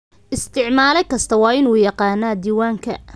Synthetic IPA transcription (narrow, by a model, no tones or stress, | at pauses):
ʔɪst̪ʰɪʕmaːlɛjkʰɐst̪ʰɐwɑːɪnuːjɑqɑːnːaːd̪iːwaːŋkʰɐ̰